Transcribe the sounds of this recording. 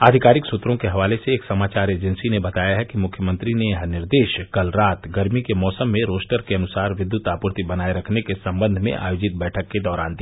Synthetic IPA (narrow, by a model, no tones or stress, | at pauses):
aːd̪ʱɪkaːɾɪksʊt̪ɾõkeɦɐʋaːleseːksɐmaːt͡ʃaːɾeːd͡ʒə̃nsinebɐt̪aːjaɦɛkimʊkʰjəmə̃nt̪ɾineɦɐnɪɾd̪eːʃkɐlɾaːt̪ɡɐɾmikemɔːsəmːẽɾoːsʈəɾkeɐnʊsaːɾʋɪd̪jʊt̪aːpʊɾt̪ibɐnaːeɾɐkʰnekesɐ̃mbə̃nd̪ʱmḛ̃ʔa̰ːjoːd͡ʒɪt̪̚bɛːʈʰəkːed̪ɔːɾa̰ːnd̪iː